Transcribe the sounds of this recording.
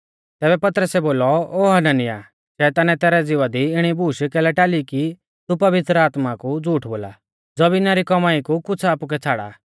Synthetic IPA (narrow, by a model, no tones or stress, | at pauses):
t̪ɛːbɛpɐt̪ɾəsɛboːlɔoːɦɐnɐnɪja̰ | ʃɛt̪aːnɛt̪ɛːɾɛd͡zɪʋad̪iɪɽ̃ibuːʃkɛːlɛʈaːliki | t̪upɐʋɪt̪ɾəaːt̪makud͡zuːʈʰboːla̰ | d͡zɔbinaɾikɔmaːikukʊt͡sʰaːpuk̬ɛt͡sʰaːɽa̰